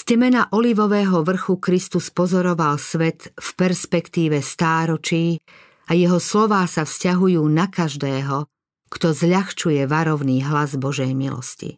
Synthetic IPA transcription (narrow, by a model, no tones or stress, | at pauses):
scɛmɛnaʔɔliʋɔʋɛːɦɔʋr̩xukɾist̪uspɔzɔɾɔʋalsʋɛt̪fpɛɾspɛkt̪iːʋɛst̪aːɾɔt͡ʃiː | ajɛɦɔslɔʋaːsafscaɦujuːnakaʒd̪ɛːɦɔ | kt̪ɔzʎaxt͡ʃujɛʋaɾɔʊniːɦlazbɔʒɛjmilɔ̰scḭ